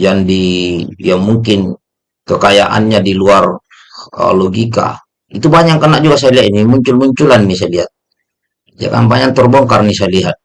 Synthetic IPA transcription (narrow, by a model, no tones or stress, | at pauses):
d͡ʒandijaŋmuŋkin | kəkajaʔa̰nɲadiluar̰ | lɔɡika̰ | it̪ubaɲaŋkːənak̚d͡ʒuɡasajaliat̪inimuɲt͡ʃulmuɲt͡ʃulanːisajaliɦat̪̚ | d͡ʒa̰ka̰nbaɲant̪ɔrbɔŋkarnisajaliɦat̪̚